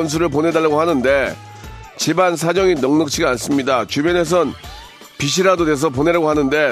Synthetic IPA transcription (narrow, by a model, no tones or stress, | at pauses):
ʌns̬ʰuɾɯɭp̬one̞daɭːaɡohanɯnde̞ | t͡ɕibans̬ʰad͡ʑʌŋinʌŋnɯk̚t͡ɕʰiɡaans͈ɯmɲidat͡ɕubjʌne̞s̬ʰʌn | piɕ̬ʰiɾadode̞s̬ʰʌp̬oneɾaɡohanɯnde̞